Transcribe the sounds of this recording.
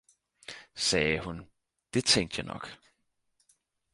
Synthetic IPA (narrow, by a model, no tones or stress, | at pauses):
sɛːhun | d̥e̝t͡sʰeŋ̰d̥jɑ̈ɪnɒ̽ɡ̥